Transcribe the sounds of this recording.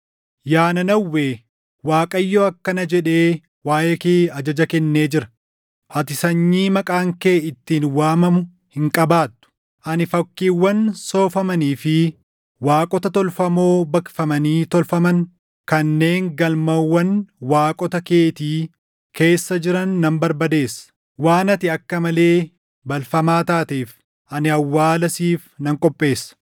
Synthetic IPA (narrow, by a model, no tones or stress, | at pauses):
jaːnɐnɐwːeː | waːkʼɐjːoːɐkːɐnɐd͡ʒɛᶑe̞ː | waːjekeːɐd͡ʒɐd͡ʒɐkɛnːe̞ːd͡ʒɪɾɐ̥ | ʔɐt̪ɪsɐɲːiːmɐkʼaːŋke̞ːɪt̪ːiːnwaːmɐmʊ | hɪŋkʼɐbaːt̪ːʊ̥ | ʔɐnɪfɐkːiːwːɐnso̞ːfɐmɐniːfɪ | waːkʼɔt̪ɐt̪ɔlfɐmo̞ːbɐkfɐmɐniːt̪ɔlfɐmɐn | kɐnːe̞ːŋɡɐlmɐwːɐnwaːkʼɔt̪ɐke̞ːt̪iː | kʰe̞ːsːɐd͡ʒɪɾɐnːɐmbɐɾbɐd̪e̞ːsːɐ̥ | waːnɐt̪ɪɐkːɐmɐle̞ː | bɐlfɐmaːt̪aːt̪eːf | ʔɐnɪɐwːaːlɐsiːfnɐŋkʼɔpʼːe̞ːsːɐ̥